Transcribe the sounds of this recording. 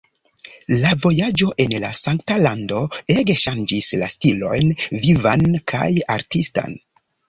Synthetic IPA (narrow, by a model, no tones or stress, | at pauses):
lavo̞jad͡ʒo̞ʔe̞nlasaŋktalando̞e̞ɡe̞ʃand͡ʒislastilo̞̰jnvivankʰa̰jaɾtista̰n